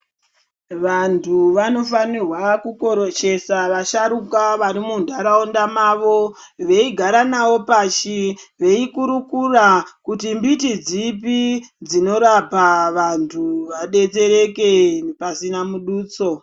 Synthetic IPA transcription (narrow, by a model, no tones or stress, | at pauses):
ʋantʰuʋano̞fanirwakuko̞ɾoʃe̞saʋaʃaɾukaʋaɾimundaɾaondamaːʋo̞ | ʋe̞iɡʱaɾanawo̞paʃiʋe̞ikuɾukurakutimbitid͡zipid͡zino̞ɾapaʋantʰuʋaɗe̞t͡se̞ɾe̞ke̞pasinamuɗuːt͡so̞